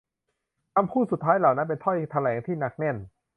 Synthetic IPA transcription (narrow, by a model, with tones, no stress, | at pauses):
ʔa˧mpʰuː˥˩su˨˩t̪ʰːaː˦˥jla˨˩wna˦˥npe˧nt̪ʰɔ˥˩jt̪ʰa˧lɛː˩˦ŋt̪ʰiː˥˩na˦˥˩k̚ne˥˩n